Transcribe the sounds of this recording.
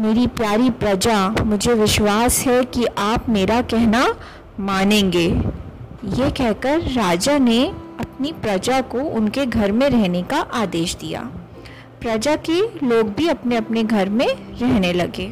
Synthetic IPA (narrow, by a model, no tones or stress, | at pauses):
meːɾipjaːɾipɾɐd͡ʒamʊd͡ʒʱeʋɪʃwaːsɦɛkiʔaːpmeːɾakɛɦna | maːnẽːŋɡeː | jekɛɦkəɾːaːd͡ʒaneɐp̚nipɾɐd͡ʒakoʔʊnkeɡʱɐɾmẽɾɛɦnekaʔaːd̪eːʃd̪ija̰ː | pɾɐd͡ʒakeloːɡ̚bʱiɐpneɐpneɡʱɐɾmẽɾɛɦnelɐɡeː